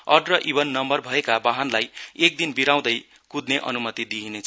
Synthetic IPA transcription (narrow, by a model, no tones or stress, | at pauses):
ʌɖrʌʔiβʌnːʌmbʌrbʱʌekabaɦanlajek̚d̪inbiɾaw̃d̪ʌj | kud̪neʔʌ̰numʌt̪id̪iɦinet͡sʰ